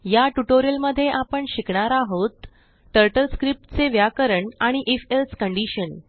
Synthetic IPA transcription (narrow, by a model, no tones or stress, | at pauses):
jaʈuʈoɾijəlməd̪ʱːjeʔapəɳɕikɳaɾaɦot̪ː | əɾʈəlskɾip̚ʈt͡seʋjakəɾəɳaɽ̃iʔefelskəɳɖiɕən